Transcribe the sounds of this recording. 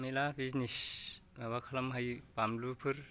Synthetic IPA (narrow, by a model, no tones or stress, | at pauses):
milabʱiznisbʱaβakʰalamɦajpamlupʰɯɾ